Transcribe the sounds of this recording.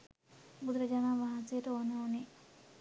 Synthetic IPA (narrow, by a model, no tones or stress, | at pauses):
bud̪ɾəd͡ʒanaːʋaɦansejəʈəonəune